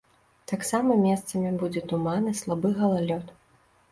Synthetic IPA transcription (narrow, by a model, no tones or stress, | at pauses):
t̪aksamɐmʲɛst̪sɐmʲibud͡zʲɛt̪umanɨslˠabɨɣɐlˠalʲɔt̪